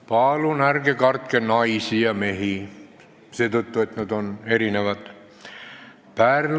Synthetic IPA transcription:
pɑːlunærɡekɑrt̪kenɑisijɑme̞ɦi | seːt̪ut̪ːue̞t̪ned̪one̞ɾineʋɑt̪ | pæːr

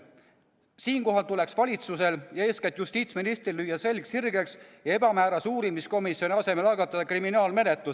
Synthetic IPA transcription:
siːnko̞ɦɑlt̪ule̞ksvɑlʲit̪suse̞ljɑe̞ːsket̪just̪iːt̪sminist̪rilːyjːɑse̞lʲkshirɡeksjɑe̞b̥ɑmæːɾɑsuːɾimisko̞misjo̞nʲiɑse̞melɑɡ̥ɑt̪ːˑɑd̪̥ɑkriminɑːlme̞net̪lus

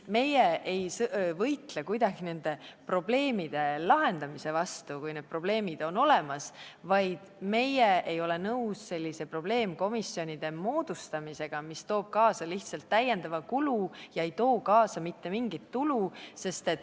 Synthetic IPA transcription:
me̞jeʔejsvɤjt̪lekujd̪̥ɑɡ̥ine̞nd̪̥e̞pro̞ble̞ːmid̪̥e̞lɑɦe̞nd̪ɑmise̞vɑst̪ukujned̪̥̚pro̞b̥le̞ːmid̪̥o̞no̞le̞mɑsvɑjd̪̥me̞jeʔejo̞le̞nɤusse̞lʲːise̞pro̞b̥le̞ːmko̞misːjo̞nʲid̪̥e̞mo̞ːd̪̥ust̪ɑmise̞ɡ̥ɑmist̪o̞ːb̥̚kɑːsɑliht̪sɑlt̪ːæjːe̞nd̪̥ɑvɑkulujɑe̞jt̪o̞ːkɑːsɑmit̪ːe̞miŋɡit̪ːuluse̞st̪e̞t̪ː

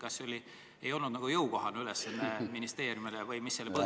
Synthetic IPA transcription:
kɑsːolʲi | e̞jo̞lnud̪nɑɡ̥ujɤuko̞ɦɑnylesːɑnːeminist̪e̞ːɾʲjumilevɤjmisːelːepɤ

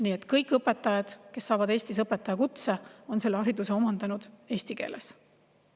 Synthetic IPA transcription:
niːet̪ːˑkɤjkːˑɤpːˑe̞t̪ːˑɑjɑd̪̥ke̞sːɑːvɑd̪eːsʲt̪isɤpːˑet̪ːˑɑjɑkut̪seo̞nse̞lːeɑɾid̪useo̞mɑnd̪̥ɑnud̪̥e̞ːsʲt̪ike̞̰ːlʔes

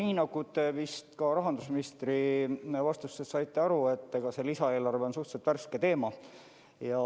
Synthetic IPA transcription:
niːnɑɡut̪evist̪kɑɾɑɦɑnd̪̥usminist̪rivɑst̪usːest̪sɑjt̪ːeɑɾue̞t̪ˑːekɑse̞lisɑe̞ːlɑrveo̞nsuht̪set̪værsket̪e̞ːmɑ | jɑ

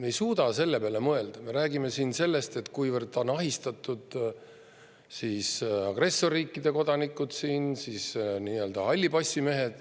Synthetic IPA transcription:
me̞jsuːd̪̥ɑse̞lːe̞peɑle̞mɤe̞ld̪̥ɑme̞ɾæːɡime̞siːnse̞lːe̞st̪e̞t̪kujvərd̪o̞nɑɦist̪ɑt̪ːud̪̥ | siːsɑɡ̥re̞sːo̞riːkˑːid̪e̞ko̞d̪ɑnikːˑud̪̥siːnsiːsniːø̞ld̪̥ɑɑlʲːibɑsʲːime̞ɦe̞d̪̥

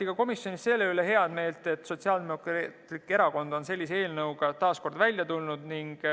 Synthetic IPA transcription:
iɡ̥ɑko̞misjo̞nisse̞lːe̞yle̞ɦe̞ɑd̪̥me̞ːlt̪ˑe̞t̪ːˑso̞t̪siɑːld̪emokrt̪likːˑe̞ɾɑko̞nd̪̥o̞nse̞lʲːisee̞ːlnɤwɡ̥ɑt̪ɑːsko̞rd̪vælʲjɑt̪ulnud̪̥niŋɡ̥

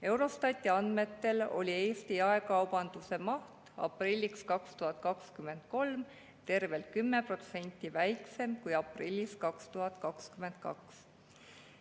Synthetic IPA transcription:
e̞wɾo̞st̪ɑt̪ʲːˑiɑnd̪̥me̞t̪ːe̞lo̞̰lʲie̞ːst̪iɑe̞kɑwb̥ɑnd̪̥use̞mɑht̪ɑ̰pˑrilʲːikskɑkst̪uɦɑt̪ːˑkɑkskymːe̞nd̪̥̚ko̞lm | t̪e̞rve̞lt̪̚kymːe̞pro̞t̪se̞nʲt̪ʲˑːivæjkse̞mkujɑprilʲːiskɑkst̪uɦɑt̪ˑkɑkskymːe̞nt̪̚kɑ̰ks

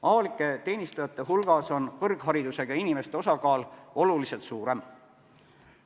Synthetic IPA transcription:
ɑvɑlikːˑe̞t̪e̞ːnist̪ɑjɑt̪ːˑeɦulɡ̥ɑso̞nkɤrɡ̥ɦɑɾid̪use̞ɡ̥ɑinime̞st̪e̞o̞sɑkɑːlo̞lulise̞lt̪suːɾe̞m

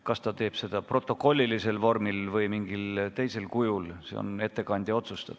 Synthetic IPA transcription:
kɑst̪ɑt̪e̞ːb̥se̞d̪̥ɑpro̞t̪ːˑo̞kːˑo̞lʲːilise̞lvo̞rmilvɤjmiŋɡilt̪e̞jse̞lkujulsḛo̰ne̞t̪ːˑe̞kɑnʲd̪̥ʲɑo̞t̪sust̪ɑd̪̥

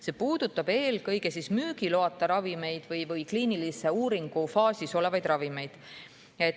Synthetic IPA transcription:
se̞ːpuːd̪̥ut̪ːˑɑb̥e̞ːlkɤ̞jɡ̥e̞sismyːɡ̥ilo̞ɑt̪ːˑɑɾɑvime̞jd̪̥vɤjvɯjkliːnilise̞uːɾiŋɡ̥ufɑːsiso̞le̞vɑjd̪rɑvime̞jd̪̥ | et̪

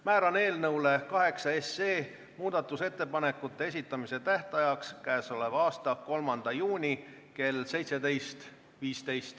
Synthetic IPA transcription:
mæːɾɑne̞ːlnɤwle̞kɑɦe̞ksɑe̞se̞ː | muːd̪̥ɑt̪ːˑuse̞t̪ːe̞pɑne̞kːˑut̪ːˑe̞e̞sit̪ːˑɑmise̞t̪æht̪ɑjɑkskæːso̞le̞vɑːst̪ɑko̞lmɑnd̪̥ɑjuːnʲi | ke̞lse̞jt̪se̞d̪e̞jst̪ | viːst̪e̞jst̪

